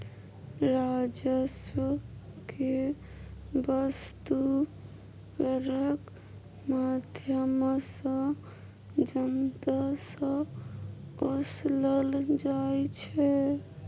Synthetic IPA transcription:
ɾad͡ʒəswəke | bəst̪u | kəɾək | mad̪ʱjəmsə̃ | d͡ʒənt̪asə̃ | osləld͡ʒajt͡ʃʰɛ

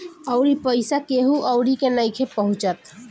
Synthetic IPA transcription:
əʊɽipəɪsakeɦuʔəʊɽikenəjkʰepəɦʊ̃t͡ʃət̪

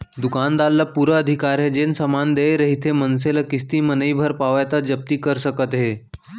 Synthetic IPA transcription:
d̪ukand̪alːəpuɾəːd̪ʱikaɾed͡ʑensəmand̪eɾəɦit̪ʰemənseləkist̪iːmənəibʱəɾpaʋajt̪ad͡ʑəp̚t̪iːkəɾsəkət̪ɦe

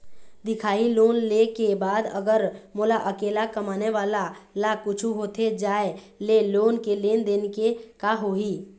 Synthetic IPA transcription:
d̪ɪkʰaːiloːnlekebaːd̪ə̰ɡəɾmolaʔəkeːlakəmaːneʋaːlalakʊt͡ʃʰuɦoːt̪ʰed͡ʒaːe | leloːnkeleːnd̪eːnkekaɦoi

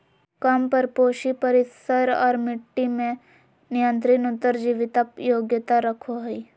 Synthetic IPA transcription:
kɐmpɐɾpoːʃipəɾɪsəɾɔ̰ːɾmɪʈːimẽ | nɪjə̃nt̪ɾɪnʊt̪ːəɾd͡ʒiʋɪt̪apjoːɡjət̪aɾɐkʰoɦoi

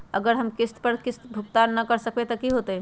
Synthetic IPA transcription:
əɡəɾɦəmkɪst̪pəɾkɪst̪bʱuk̚t̪anːəkəɾsəkbet̪əkiɦot̪ə

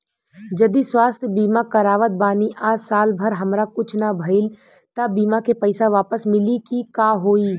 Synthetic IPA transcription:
d͡ʒɐd̪iswaːst̪ʰjbiːmakɐɾaːʋət̪̚baːniʔaːd͡ʒsaːlbʱəɾɦɐmɾakʊt͡ʃʰnabʱɐɪl | t̪abiːmakepəɪsaʋaːpəsmɪlikikaːɦoːiː

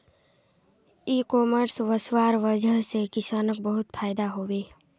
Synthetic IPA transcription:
ikɔːməɾsʋəswaːɾʋəd͡ʒʱəɦsekɪsaːnəkbəɦʊt̪pʰaːɪd̪aɦoːweː

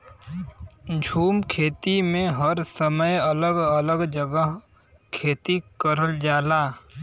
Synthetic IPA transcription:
d͡ʒʱuːmkʰeːt̪imẽɦəɾsəməjələɡələɡd͡ʒəɡəɦ | kʰeːt̪ikəɾəld͡ʒaːlaː

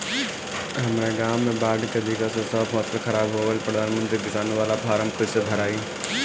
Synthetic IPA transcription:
ɦɐmɾeɡaːmːẽbaːɖkɐd̪ikasõsaːpɦɔːt̪əlxʰɐɾaːbɦuaʋəlpɾɐd̪aːnmə̃nt̪ɾiɡɪsaːnũʋaːlafʰaːɾəmkʊsəb̪ʱɐɾaːiː

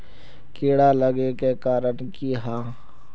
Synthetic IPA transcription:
keːɽaləɡekekaːɾənkiɦaː

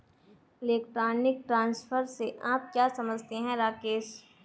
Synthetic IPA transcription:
ɪleːkʈɾaːnɪk̚ʈɾãːnsfəɾseʔaːp̚kjaːsɐməd͡ʒʱt̪eɦɛ̃ɾaːkeːʃ

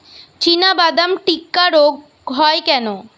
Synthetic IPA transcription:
t͡ɕinabad̪amʈikːaɾoɡ | ɦɔekɛno

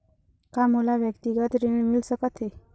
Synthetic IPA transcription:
kamulaʋjəkt̪iɡət̪ɾeɳmilsəkət̪ɦe

